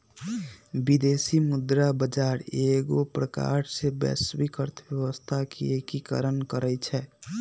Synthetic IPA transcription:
bid̪esimud̪ɾabəd͡ʒaɾeɡopɾəka̰ɾsebɛ̰sbikəɾt̪ʰbjəəst̪ʰakeekikə̰ɾənkəɾɛt͡ʃʰɛ

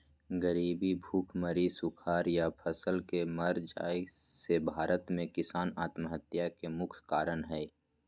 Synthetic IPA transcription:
ɡəɾiːbibʱuːkʰməɾisʊkʰaːɾjapʰəsəlkeməɾd͡ʒa̰ːisebʱaːɾət̪mẽkɪsaːnaːt̪məɦət̪ːjakemʊkʰkaːɾənɦɛː

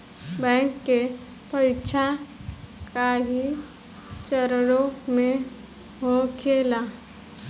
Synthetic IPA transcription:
bɛ̃ːŋkːe | pəɾɪkʃʰa | kaɦi | t͡ʃəɾɾomẽ | ɦokʰeːla

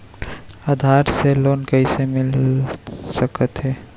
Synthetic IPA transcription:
ad̪ʱaɾseloːnkəɦisemɪl | səkət̪ɦɛː

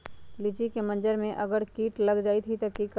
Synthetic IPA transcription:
lɪt͡ʃikemɐ̃nd͡ʒəɾmẽʔɐɡəɾkiːʈlɐɡd͡ʒaːit̪ʰit̪ɐkik

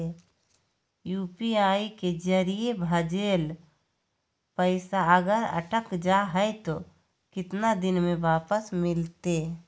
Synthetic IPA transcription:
juːpiaːiked͡ʒəɾijebʱəd͡ʒeːl | pəɪsaəɡəɾə̰ʈəkd͡ʒaɦɛet̪o | kɪt̪nad̪ɪnmẽʋaːpəsmɪlt̪e

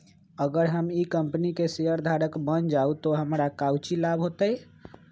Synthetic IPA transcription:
əɡəɾɦəmikəmpənikeseəɾd̪ʱaɾəkbənd͡ʒaut̪oɦəmɾakawt͡ʃilabʱɦot̪ə

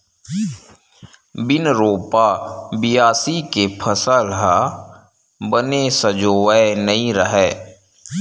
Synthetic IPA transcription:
bɪnɾoːpabijaːsikepʰəsəlɦa | bənesəd͡ʒoːəenəɦĩɾəɦɛː

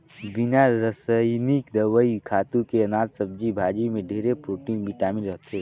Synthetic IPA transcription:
ʋɪnaɾəsənikd̪əʋəikʰaːt̪ũkeɐnaːt̪səb̚d͡ʒibʱaːd͡ʒimẽɖʱeːɾepɾoːʈiːnbʱiʈaːminɾəɦt̪eː

